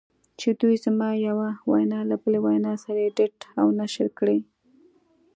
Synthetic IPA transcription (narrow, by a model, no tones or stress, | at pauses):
t͡ʃed̪ujzmɑjawawa̰jnɑlabəlewajnɑsaɾajeɖeʈawnaʃəɾkɽe